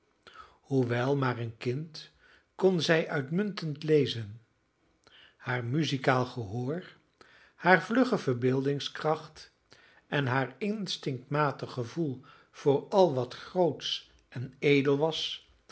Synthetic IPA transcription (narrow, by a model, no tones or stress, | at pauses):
huʋɛlˠmaːɹənkɪnt | kɔnzɛjʔœɥtmɵntəntlejzən | haːɹmyzikaːlˠχəɦʊːɹ | haːɹvlɵχəv̥əɹbɪːlˠdɪŋskrɑχt | ɛnɦaːɹɪnstɪŋk̚tmaːtəχəvulˠ | v̥ʊːɹɑlˠʋɑtχrowts | ʔɛnejdəlˠʋɑs